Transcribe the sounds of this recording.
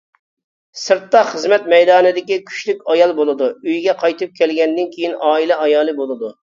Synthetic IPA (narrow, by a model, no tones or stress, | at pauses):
sɨɾt̪ːɑχəzmɛt̪mɛjd̪ɑːnɨd̪ɪkʲikʲʰy̥ʃlykʲɑjɑlˠbolˠɨd̪uøjɡʲɛqʰɑjt̪ʰɨp̚kʲʰɛlɡʲɛnd̪ɪnkʲʰejinɑːilɛɑjɑːlˠɨbolˠɨd̪u